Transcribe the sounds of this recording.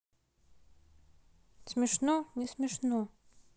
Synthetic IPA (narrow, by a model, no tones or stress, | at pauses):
smʲɪʂnonʲismʲɪʂno